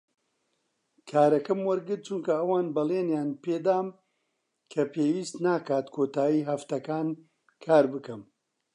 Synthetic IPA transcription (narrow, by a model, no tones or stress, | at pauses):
kʰaːɾɐkɐmwɐɾɡɨɾt̪̚t͡ʃunkɐɐwaːnbɐleːnjaːnpeːd̪aːm | kʰɐpʰeːwiːst̪naːkaːt̪kʰoːt̪aːjiːɦɐft̪ɐkaːn | kʰaːɾbɨkɐm